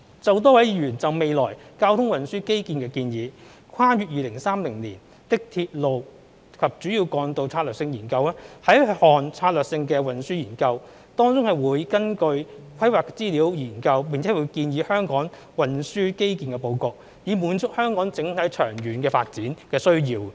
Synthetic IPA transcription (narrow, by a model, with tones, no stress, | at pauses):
t͡sɐ˨wt̪̬ɔː˥wɐ˨˥ji˧ɥyː˨˩nt͡sɐ˨wme˨jlɔː˨˩jkaː˥wt̪ʰʊ˥ŋwɐ˨nsyː˥ke˥jkiː˨˧nkɛː˧kiː˧njiː˨˧ | kʰaː˥jyː˨t̚jiː˨lɪ˨˩ŋsaː˥mlɪ˨˩ŋlḭː˨˩n | t̪ɪ˥k̚t̪ʰi˧t̚lo˨w | kʰɐ˨p̚t͡ʃyː˨˥jiː˧wkɔː˧ŋt̪o˨˧wt͡sʰaː˧t̚lœː˨k̚sɪ˧ŋjiː˨˩nkɐ˧wlɛː˥hɐ˨˥jhɔː˨nt͡sʰaː˧t̚lœː˨k̚sɪ˧ŋkɛː˧wɐ˨˩nsyː˥jiː˨˩nkɐ˧w | t̪ɔː˥ŋt͡sʊ˥ŋhɐ˨˩jwuː˨˧jkɐ˥nkɵ˧ɥkʰɐ˥jwaː˨˩k̚t͡siː˥liː˨˥wjiː˨˩nkɐ˧wpi˨ŋt͡sʰɛː˨˥wu˨˧jkiː˧njiː˨˧˥hœː˥ŋkɔː˨˥ŋ | wɐ˨nsyː˥ke˥jki˧nkɛ˧po˨˧wko˨k̚ | jiː˨˧muː˨˥nt͡sʊ˥k̚hœː˥ŋkɔː˨˥ŋt͡sɪ˨˥ŋt̪ʰɐ˨˥jt͡ʃʰœː˨˩ŋjyː˨˩nkɛː˧faː˧t̚t͡siː˨˥nkɛː˧sɵ˥ɥjiː˧w